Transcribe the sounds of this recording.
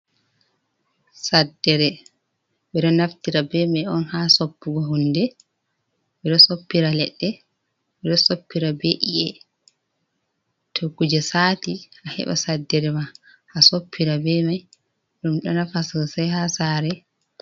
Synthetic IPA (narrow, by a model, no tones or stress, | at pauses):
sadːɛɾɛ | ɓɛɗɔnaftiɾabɛmajɔnhasopːuɡɔɦundɛ | bɛɗɔsopːiɾalɛɗːɛ | ɓɛɗɔsopːiɾabeʔiʔɛ | tʰokːud͡ʒɛsatiʔahɛ̰ɓa̰sadːɛɾɛma | hasopʰːiɾabɛmaj | ɗumɗɔnafasɔsajhasaɾɛ